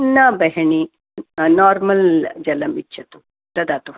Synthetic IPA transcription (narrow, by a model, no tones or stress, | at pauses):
nːaːbɐɦɐɳi | naːɾmɐld͡ʒɐlɐmit͡ʃːt͡ʃʰːɐt̪u | t̪ɐd̪aːt̪u